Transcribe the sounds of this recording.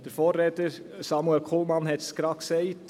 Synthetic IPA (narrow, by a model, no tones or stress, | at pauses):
d̥əɾfoːrːeːtəɾ | sɑmuɛlkʰolmɑnhɛtsɡ̥ɾɑːksɛɪt